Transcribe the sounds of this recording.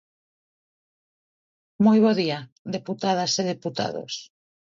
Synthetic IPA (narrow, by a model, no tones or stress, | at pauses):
mojβ̞ɔðia | ðeput̪að̞aseðeput̪a̰ðo̰s